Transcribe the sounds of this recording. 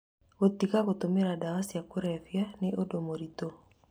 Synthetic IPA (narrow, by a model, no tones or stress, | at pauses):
βot̪iɣaβotomeɾadawasiakoɾɛfjaneʔodomoɾito